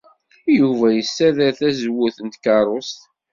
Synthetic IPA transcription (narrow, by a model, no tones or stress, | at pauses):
juvæjəsːæðæθæzwːʊθənt̪kɑɾˤost̪